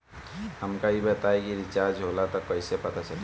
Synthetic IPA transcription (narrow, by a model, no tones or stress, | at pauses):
həmkaɦibət̪aekiɾɪt͡ʃaːɾd͡ʒɦolat̪ɔkəɪsepɐt̪at͡ʃəl